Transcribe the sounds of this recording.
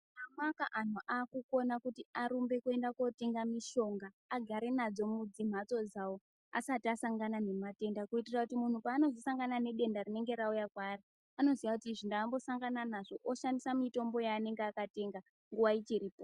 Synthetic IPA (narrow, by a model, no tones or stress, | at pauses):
amakaʔan̤oʔaːkuko̞nakutiaɾumbe̞kue̞ndako̞te̞ŋɡamiʃo̞ŋɡaːɡʱaɾe̞nad͡zo̞mud͡zim̤at͡so̞d͡zawo | a̰satiasaŋɡanane̞mate̞ndakuitirakutimun̤upaːno̞zisaŋɡanane̞ɗe̞ndarine̞ŋɡe̞ɾaujakwaːri | ano̞zijakutiːʐindaːmbo̞saŋɡananaʐo̞ʔoʃandisamito̞mbo̞jaːne̞ŋɡeakate̞ŋɡa | ŋɡuʋait͡ʃiɾiːpo